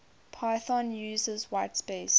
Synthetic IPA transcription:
pʰaːθɔ̃njuːzəzwaɪtspeːs

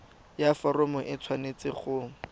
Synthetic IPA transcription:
jafɔrɔmʊʔɪt͡sʰwanet͡sɪχʊ

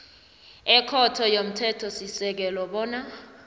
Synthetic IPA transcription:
ɛkʰɔtʰɔjom̩tʰɛtʰɔsisɛk̬ɛlɔɓɔːna

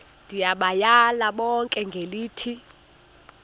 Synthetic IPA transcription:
nd̥ʱijaɓajalaɓɔŋkʼɛŋɡʱeliːtʰi

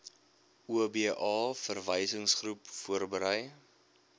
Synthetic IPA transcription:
uəbiːʔɑːfərvəjsəŋsχrupfuərbəɾəj

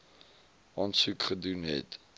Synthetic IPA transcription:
ʔɑːnsukχədunɦɛ̰t

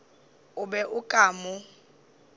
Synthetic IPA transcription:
ʊɓɛʔukʼaːmu

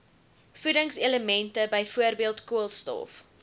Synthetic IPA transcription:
fudəŋseləmɛntəbəjfuərbiəlˠtkuəlˠstɔ̰f

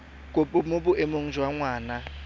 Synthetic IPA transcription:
kʼʊpʼʊmobʊʔemoŋ̩d͡ʒwaŋwaːna

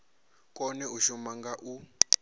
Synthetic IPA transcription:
kʼɔnɛuʃumaŋɡaʔu

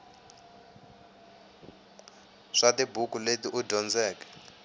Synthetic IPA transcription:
ʂatibukuletiʔudɔnd͡zɛːkɛ̥

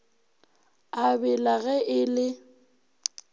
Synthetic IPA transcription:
abɪlaɣɛʔɪlɪ

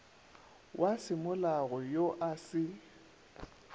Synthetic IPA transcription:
wʔasɪmʊlaɣɔjoʔasɪ

